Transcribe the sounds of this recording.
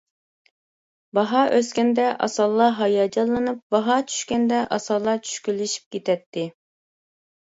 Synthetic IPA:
bɑɦɑʔøskʲɛnd̪ɛʔɑ̰sɑlˠːɑɦɑjɑd͡ʒɑlˠːɨnɨp̚bɑɦɑt͡ʃʰy̥ʃkʲɛnd̪ɛʔɑsɑlˠːɑt͡ʃʰy̥ʃkʲylːɪʃi̥p̚kʲet̪ʰɛt̪ʰːɪ

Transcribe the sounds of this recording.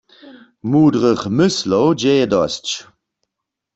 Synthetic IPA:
muːdʁəχmʏslowd͡ʒɛjɛdɔst͡ɕ

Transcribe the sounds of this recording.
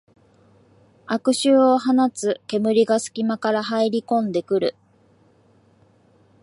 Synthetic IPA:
akɯ̟ɕɨːo̞ɦanat͡sɨke̞mɯ̟ɾʲiɡasɨ̥kʲimakaɾaɦaiɾʲikõ̞nd̪e̞kɯ̟ɾɯ̟̰

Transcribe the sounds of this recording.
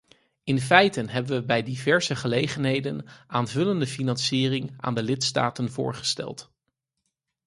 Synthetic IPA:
ɪnfɛjtənɦɛbənʋəbɛjdivɛɹzəχəlejχənɦejdənaːnvɵləndəfinɑnsiːrɪŋa̰ːndəlɪtsta̰ːtənvʊ̰ːɹχə̥stɛ̰lˠt

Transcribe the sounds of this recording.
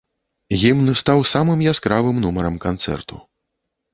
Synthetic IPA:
ɣʲimnɨst̪awsamɨmjaskɾavɨmnumɐɾɐmkant̪sɛ̰rt̪u̥̰

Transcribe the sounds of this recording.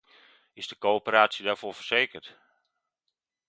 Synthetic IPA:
ɪzdəkoːopəraːsjədɛrfofərseːkərt

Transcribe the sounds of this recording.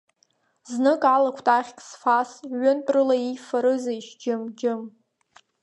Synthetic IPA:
znɨkʼalakʷʰtʼaχʲkʼsfasʕʏntʼrɨlaijfaɾɨzajʃd͡ʒɪmd͡ʒɪm

